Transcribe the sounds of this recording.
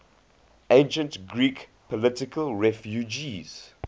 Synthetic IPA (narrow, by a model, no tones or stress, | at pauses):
ẽnʃə̃ntɡɹikpʰɔlɪtɪkəlɹɛfjud͡ʒiz̥